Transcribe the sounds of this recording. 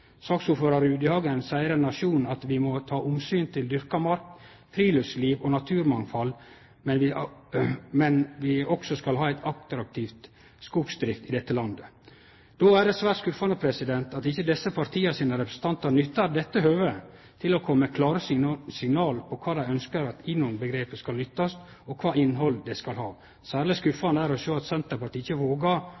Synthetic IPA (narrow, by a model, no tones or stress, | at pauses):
sɑːksuːføɾɑɾʉːd̪ɪhɑːɡənsæɪəɾɛnːɑʂuːnn̩ɑt̪ʋɪmɔt̪ʰɑːʔʊmsyːnt̪ʰɪld̪ʏɾkɑmɑɾk | fɾiːlœsliːʋɔnɑt̪ʰʉːɾmɑŋfɑl | mɛnʋɪ | mɛnʋɪɔksɔskɑlɦɑːæɪt̪ʰɑk̚t̪ɾɑk̚t̪ʰɪft̪ | skʊɡsd̪ɾɪft̪ɪd̪ɛt̪ːəlɑnd̪ə | d̪̥oæɖɛsʋæːɾʈskʉfɑnəpʰɾɛsɪd̪ɛnt̪ɑt̪ɪçːəd̪ɛsːəpʰɑɾt̪ʰiːəsiːnəɾɛpɾəsn̩t̪ʰɑnt̪ɑɾnʏt̪ːɑɾd̪ɛt̪ːəɦøːʋət̪ʰɪlɔkʰɔmːəkʰlɑːɾəssɪŋnɑːlpʰɔkʰɑːd̪æɪœnskəɾɑt̪ɪnʊnbəɡɾeːpəskɑlnʏt̪ːɑs | ɔkʰʋɑːɪnɦɔld̪ɛskɑlɦɑː | sæːɾlɪskʉfɑnəæɾɔʃøːɑt̪sɛnt̪əpɑʈ̪iːɪçəʋoːɡɑ